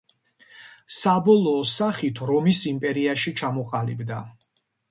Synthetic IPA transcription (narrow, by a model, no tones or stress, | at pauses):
sabɔlˠɔːsaχit̪ʰɾɔmisimpʼɛɾiaʃit͡ʃʰamɔqʼalibd̪a